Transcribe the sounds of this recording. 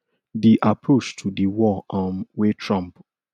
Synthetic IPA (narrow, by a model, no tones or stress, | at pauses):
diʔapʰɹot͡ʃtʰudiwɔʔɔ̃mwetʰɹɔ̃mp